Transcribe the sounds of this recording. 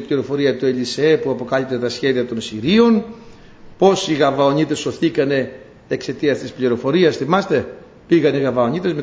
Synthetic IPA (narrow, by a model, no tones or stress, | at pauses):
pliɾo̞fo̞ɾiɐt̪ueliseepuɐpo̞kɐlip̚t̪e̞t̪ɐsçe̞ðiɐt̪o̞nsiɾio̞n | po̞siɣɐvɐoɲit̪e̞so̞θikɐne̞ | ekse̞t̪iɐst̪ispliɾo̞fo̞ɾiɐsθimɐst̪e̞ | piɣɐniɣɐvɐo̞ɲit̪ezme